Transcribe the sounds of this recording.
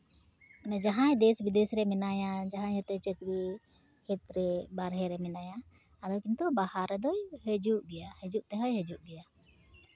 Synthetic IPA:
anad͡ʒaɦãjd̪ɛsbid̪ɛsɾɛmɛnajad͡ʒaɦãjɛt̪ɛt͡ʃɛt̪ɾi | hɛt̪ɾɛbaɾɦɛɾɛmɛnajaː | d̪ɔjkint̪ɔbahaɾːɛd̪ɔjhɛd͡ʒuʔɡɛjahɛd͡ʒuʔt̪ɛɦɔjɦɛd͡ʒuʔɡɛja

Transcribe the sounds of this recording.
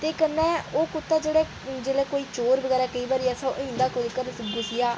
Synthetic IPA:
t̪eːkənːɛ̃ːoːkʊt̪ːaːd͡ʒeːɽɛː | d͡ʒeːɽɛːkoːiːt͡ʃoːɾbəɡɛːɾaːkəiːbaːɾiːɛːsãʔəɪ̃ːnd̪aːkʊlkəɾɡʊsɪjaː

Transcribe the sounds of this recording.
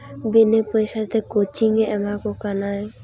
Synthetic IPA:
binepojʃat̪ekot͡ʃiŋeɛmakokanaj

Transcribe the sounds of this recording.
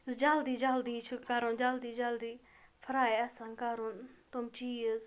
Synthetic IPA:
zɨd͡ʒald̪id͡ʒald̪it͡ʃʰukaɾond͡ʒald̪id͡ʒald̪i | pʰəɾaːeasankaɾont̪omt͡ʃijəz

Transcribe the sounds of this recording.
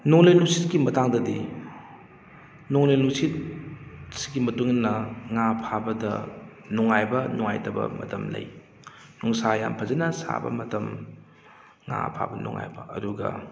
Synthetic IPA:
nɔŋlejlusit̚ɡimɐtaŋdɐdi | nɔŋlejlusit̚ | si̥ɡimɐtuŋnɐŋapʰabɐdɐ̰ | nɔŋajbɐnɔŋa̰jtɐbɐ̰mɐ̰tɐmlɐ̰j | nuŋsaja̰mpʰɐzenɐsa̰bɐ̰mɐtɐm | ŋa̰pʰa̰bɐnṵŋa̰jbɐɐduɡɐ̰

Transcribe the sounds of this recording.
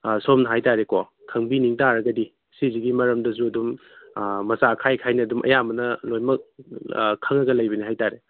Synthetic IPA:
somnɐɦajtaɾeko | kʰɐŋbiniŋtaɾɐɡɐdi | siziɡimɐɾɐmdɐs̬uɐdum | mɐsakʰajkʰajnɐɐdumʔɐ̰jamɐnɐlojmɐk̚ | kʰːɐŋɐɡɐlɐjbɐniɦajtaɾe

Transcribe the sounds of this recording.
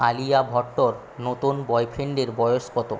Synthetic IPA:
alijabʱɔʈːoɾ | not̪unbɔjpʰeɳɖeɾbɔjospɔt̪o

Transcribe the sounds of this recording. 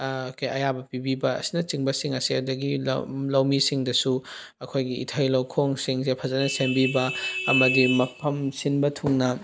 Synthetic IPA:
kʰejɐjabɐpibibɐɐ̰sinɐt͡ʃiŋbɐsiŋɐsiɐdɐɡḭlɐwmisiŋdɐsu | ɐkʰojɡiḭtʰɐjlɐwkʰoŋsiŋzepʰɐzɐnɐsembibɐɐmɐdimɐpʰɐmsinbɐtʰuŋnɐ

